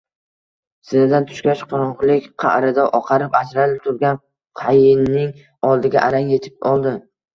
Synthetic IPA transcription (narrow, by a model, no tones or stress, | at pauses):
sɪnɪd̪ant̪ʰʊ̥ʃkʲaʃqʰʊɾɒʁlˠɪkʲqʰɑ̰ʔɾɪd̪aʔɒqʰɑɾɪpad͡ʒɾalɪp̚t̪ʰʊɾɡʲan | qʰajɪnːɪŋ | ɒlˠd̪ɪɡʲaʔaɾaŋje̞t̪ʰɪ̥pɒlˠd̪ɪ